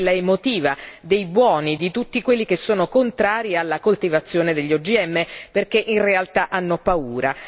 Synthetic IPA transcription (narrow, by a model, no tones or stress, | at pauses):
lːaemot̪iːvad̪ejbwɔːnid̪it̪ut̪ːikwelːik̟esːoːnokont̪ɾaːɾialːakolt̪ivat̪sːjoːned̪eʎːɔd͡ʒiɛmːeperk̟eʔinrealt̪aʔanːopauːɾa